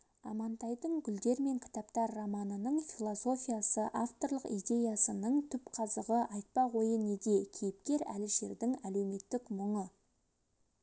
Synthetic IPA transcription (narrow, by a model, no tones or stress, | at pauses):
ɑ̰mɑnt̪ɑjd̪əɴɡʲʏld̪e̞ɾme̞ŋkʲʰɪ̥t̪ɑpt̪ɑɾːamɑnənəɴfilˠo̞so̞fʲijasəʔaft̪o̞rlˠəqid̪ʲe̞jɑsənəɴt̪ʰʏpqʰɑzəʁəʔɑjt̪̚pɑʁo̞jəne̞d̪e̞kʲʰejɪp̚kʲe̞ɾæ̰lɪʒe̞ɾd̪ɪŋæle̞wme̞t̪ːɪkmʊɴə